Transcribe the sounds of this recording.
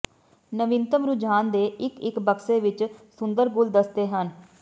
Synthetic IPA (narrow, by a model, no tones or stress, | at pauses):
nəʋɪnt̪əmɾʊd͡ʒaːnd̪eːʔɪkɪkbəkseːʋɪt͡ʃsʊnd̪əɾɡʊld̪əsd̪eːɦən